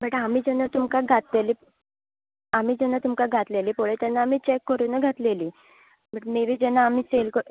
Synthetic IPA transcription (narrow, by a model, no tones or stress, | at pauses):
bəʈamiːd͡ʑɛnːat̪umkaɡʱat̪leliː | am̤iːd͡ʑɛnːat̪umkaɡʱat̪leliːpoɭet̪ɛnːaːmiːt͡ɕekːəɾuːnəɡʱat̪leliː | m̤əʈmeʋiːd͡ʑɛnːaːm̤iːt͡selkə